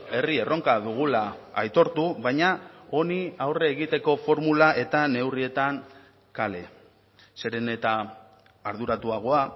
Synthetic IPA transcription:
e̞rie̞ro̞ŋkaðuɣ̞ulaːjt̪o̞ɾt̪uβajɲao̞niawre̞ːɣ̞it̪e̞ko̞fo̞ɾmulaʔe̞t̪ane̞wrie̞t̪aŋ | kale̞ | se̞ɾe̞ne̞t̪aː | ɾðuɾat̪uaɣ̞o̞a

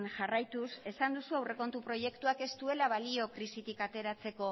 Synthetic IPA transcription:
nʝarajt̪use̞sand̪usuawre̞ko̞nt̪upɾo̞je̞kt̪uake̞st̪ue̞laβalio̞kɾisit̪ikat̪e̞ɾat͡se̞ko̞

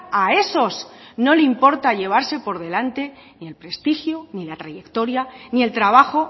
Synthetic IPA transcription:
ae̞so̞sno̞leimpo̞ɾt̪aʎe̞β̞aɾse̞po̞ɾð̞e̞lant̪e̞ | nie̞lpɾe̞st̪ixjonilat̪ɾaje̞kt̪o̞ɾjanie̞lt̪ɾaβ̞axo̞

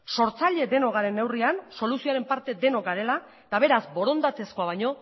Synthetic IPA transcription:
so̞ɾt͡saʎe̞d̪e̞no̞ɣaɾe̞nːe̞wrianso̞lusioaɾe̞mpaɾt̪e̞d̪e̞no̞kɡaɾe̞la | t̪aβe̞ɾazbo̞ɾo̞nd̪at̪e̞sko̞aβ̞ajɲo̞

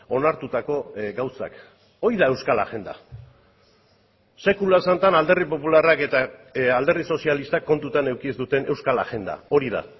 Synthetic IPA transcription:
o̞naɾt̪ut̪ako̞ɡawsa̰k | o̞iðae̞wskala̰ʝe̞nd̪a̰ | se̞kulaesant̪anald̪e̞ripo̞pularake̞t̪aald̪e̞riso̞sialist̪akːo̞nt̪ut̪ane̞wkiezd̪ut̪e̞ne̞wskala̰ɣe̞nd̪a̰o̞ɾið̞a̰

